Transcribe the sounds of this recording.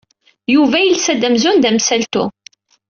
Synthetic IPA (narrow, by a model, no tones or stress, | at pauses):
juvæjilsæd̪æmzʊnd̪æmsælt̪ṵ